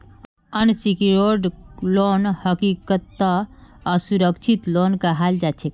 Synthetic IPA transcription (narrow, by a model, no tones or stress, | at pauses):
ənsikiɾoɖloːnhəkikət̪ːaəsuɾəkt͡ʃʰit̪loːnkaɦaːld͡ʒaːt͡ʃʰek